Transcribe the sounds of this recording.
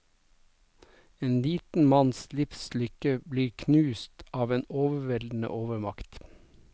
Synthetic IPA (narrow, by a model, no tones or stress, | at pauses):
eːnliːt̪n̩mɑnslɪfslʏkəbliːɾkʰnʉːst̪ɑːʋeːnoːʋəʋɛld̪n̩ə̰ʔoːʋəɾmɑkt̪